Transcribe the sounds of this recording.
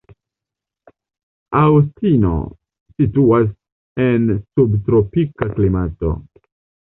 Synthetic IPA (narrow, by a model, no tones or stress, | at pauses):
awstino̞̰ | situas | ensubtɾo̞pikaklimato̞̰